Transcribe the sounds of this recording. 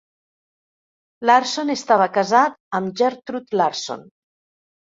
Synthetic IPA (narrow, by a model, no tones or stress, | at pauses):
laɾsonest̪aβəkəzat̪əmʒɛɾt̪ɾut̪laɾso̰n